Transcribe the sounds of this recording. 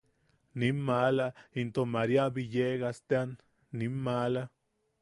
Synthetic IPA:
nimːalaint̪omaɾjabijeɡast̪eanː | imːala

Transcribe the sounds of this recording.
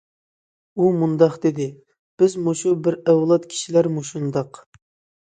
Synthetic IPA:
umund̪ɑχd̪ed̪ɪ | b̥ɪzmoʃubɪɾɛwlˠɑt̪kʲʰi̥ʃilæɾmuʃund̪ɑq

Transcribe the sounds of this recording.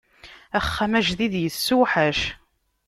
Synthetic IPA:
æχːæmæʒðiðjəsːuħæʃ

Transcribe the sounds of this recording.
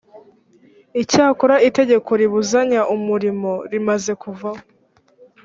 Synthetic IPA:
icaːkoɾaite̞ɟe̞kʰo̞ɾiβuzaɲaʔumuɾimo̞ɾimaze̞kuvaho

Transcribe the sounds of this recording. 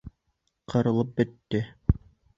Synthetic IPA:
qʰɤ̆ɾɤ̆lˠɤp̚bɘ̆t̪ːɘ

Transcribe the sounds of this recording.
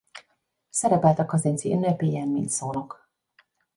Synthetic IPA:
sɛɾɛpɛlt̪ɛkɒzent̪siynːøpiːjɛnmːḭːnsoːlok

